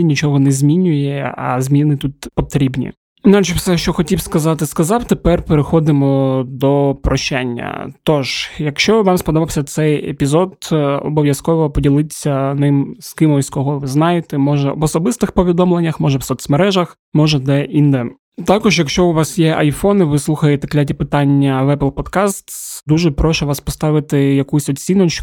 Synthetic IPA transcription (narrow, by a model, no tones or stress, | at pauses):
nʲit͡ʃɔɦɔnɛzʲmʲinʲʊjɛɐ̰zʲmʲinɪt̪ut̪pɔt̪ɾʲibnʲḭ | inalʲt͡ʃɪwsɛʃt͡ʃɔxɔtʲiwskɐzɑt̪ɪskɐzɑwt̪epɛrpeɾɪxɔd̪ɪmɔd̪ɔpɾɔʃt͡ʃanʲːɐ̰t̪ɔʒjɐkʃt͡ʃɔʋɑmspɔd̪ɔbɐwsʲɐt̪sɛjḛpʲizɔd̪ɔ̰bɔʋʲjɐskɔʋɔpɔdʲilˠɪt͡sʲːɐnɪmskɪmɔskɔɦɔʋɪznɑjet̪ɛmɔʒɛɔbɔsɔbɪst̪ɪxpɔʋʲid̪ɔmlˠenʲːɐxmɔʒɛwsɔt̪smɐɾɛʒɐx | mɔʒɛd̪ɛʔind̪ɛ | t̪ɑkɔʒjɐkʃt͡ʃɔʊʋɑsjɛʔɐjfɔnɪʋɪslˠuxɐjet̪ɛklʲatʲipɪt̪ɑnʲːɐʋɛplˠpɔd̪kɑst̪d̪uʒɛpɾɔʃɛʋɑspɔst̪ɑʋɪt̪ɪjɐkujsʲɔt̪ʲsʲinɔt͡ʃ